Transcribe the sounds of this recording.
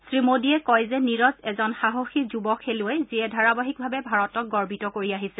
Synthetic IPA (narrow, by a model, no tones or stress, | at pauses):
sɹimodiɛkɔjzɛniɹɔzɛzɔnxaɦoxizubɔkʰelʊɛziɛdʱaɹabaɦik̚bʱabɛbʱaɹɔtɔk̚ɡɔɹbitɔkoɹiaɦisɛ